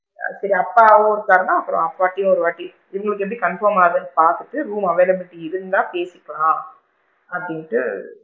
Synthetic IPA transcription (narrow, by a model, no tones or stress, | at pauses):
sɐɾiɐpːaːɔɾɯkaːɾɐnãːɐpːɯɾõ̰ɐpːaːʈːɪjʊ̃ɔɾɯʋaːʈːi | ɪʋɐŋɡɐɭɯkːɯɛp̬ːɐɽikɐnfɐːmaːɐðɐnːɯpaːɾt̪ɯʈːɯɾuːmɐʋɐjlɐmɪʈːiɪɾɯnd̪ãːpeːsɪkːɐɭãː | ɐpːɽɪŋɪʈːɯ̰